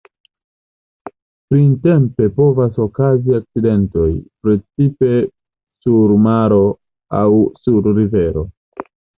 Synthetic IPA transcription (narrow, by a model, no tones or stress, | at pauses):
pɾinte̞mpe̞po̞vaso̞kaziak̚t͡side̞nto̞jpɾe̞t͡sipe̞ | suɾmaɾo̞ | awsuɾːive̞ɾo̞̰